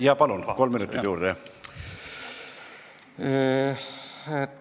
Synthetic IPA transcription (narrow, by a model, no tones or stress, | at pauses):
jɑːpɑlunko̞lmːinut̪ːˑit̪juːɾd̪e